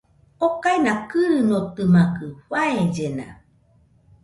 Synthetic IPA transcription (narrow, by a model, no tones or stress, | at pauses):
okainakɨɾɯnot̪ɯmakɯɸaed͡ʒena̰